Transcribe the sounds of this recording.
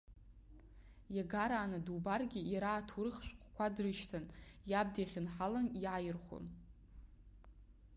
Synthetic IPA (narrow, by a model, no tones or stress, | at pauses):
jaɡaɾaːnadubarɡʲɪjaɾaːtʰurɨχʃʷᶣqʷʼkʷʰadrɨʃtʰanjab̚diχʲɪnħalanjʕajɪrχʷo̰n